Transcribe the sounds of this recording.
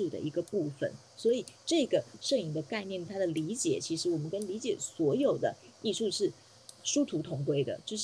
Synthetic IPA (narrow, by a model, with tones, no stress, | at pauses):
u˥˧˩d̪ə̰˩ʔi˧˥ɡə˧pu˥˩fə̰˨˩n | swɔ˧˥i˨˩ʈ͡ʂɤ˥˩ɡə˩ʂɤ˥˩ŋi˧˥ŋd̪ə˧ka˥˧ɪnjɛ˥˩nt̪ʰa˥d̪ə˨li˧˥t͡ɕjɛ̰˨˩˦t͡ɕʰi˧˥ʂɻ̩˧˥wɔ˨˩mə˦nkə˥nli˧˥t͡ɕjɛ˨˩swɔ˧˥jo˨˩ʊd̪ə˦ | i˥˧ʂu˥˧ʂɻ̩˥˩ | ʂu˥t̪ʰu˧˥t̪ʰʊ˧˥ŋkwe˥ɪd̪ə̰˨t͡ɕjo˥˧ʊʂ